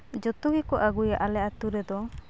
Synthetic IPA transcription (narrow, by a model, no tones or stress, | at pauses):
d͡ʒɔt̪uɡikɔʔaɡujaʔalɛʔat̪uɾɛd̪ɔ